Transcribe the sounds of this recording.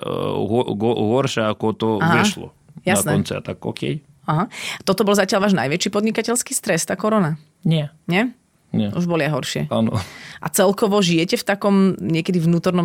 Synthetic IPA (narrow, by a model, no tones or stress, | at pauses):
ɦɔɦɔɦɔɾʃaakɔt̪ɔaɦɛʃlɔ̰ | jasanɛɔnt͡sɛa̰t̪akːɔ̰kɛ̰j | aɦat̪ɔt̪ɔbɔlzacɪalʋaːʒnajʋɛt͡ʃiːpɔd̪ɲikacɛlskiːst̪ɾɛst̪aːkɔɾɔna | ɲɪɛɲɛ | ɲɛuʒbɔlɪajɦɔɾʃɪɛ̰anɔ̰ʔa̰t͡sɛlkɔʋɔʒijɛcɛft̪akɔmɲɪɛkɛd̪iʋnuːt̪ɔɾnɔm